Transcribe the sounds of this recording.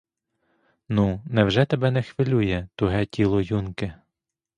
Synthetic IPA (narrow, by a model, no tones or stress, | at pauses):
nunɛwʒɛt̪ebɛnɛxʋɪlʲujɛt̪ʊɦɛtʲʰilˠɔjunkɪ